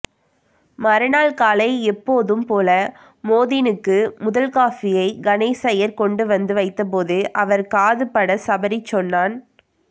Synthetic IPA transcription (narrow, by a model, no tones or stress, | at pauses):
mɐɾɯnaːlkaːlɐɪɛpːoːðɯmpoːlɐ | moːðɪnɯkːɯmʊðɐlkaːfɪjɐɪɡɐneːsɐjɐɾkɔɳɖɯʋɐnd̪ɯʋɐɪt̪ːɐp̬oːðɯʔɐʋɐɾkaːðɯpːɐɽɐsɐbɐɾɪt͡ʃːɔnːaːn